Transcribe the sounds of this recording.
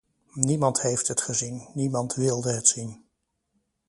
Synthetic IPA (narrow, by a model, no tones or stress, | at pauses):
nimɑntɦejftɦətχəzinːimɑntʋɪlˠdəɦətsin